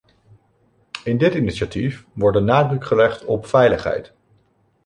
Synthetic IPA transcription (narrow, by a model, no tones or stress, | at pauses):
ɪndɪtiniʃatifʋɔɹdənaːdrɵkχəlɛχtɔpfɛjləχɦɛ̰jt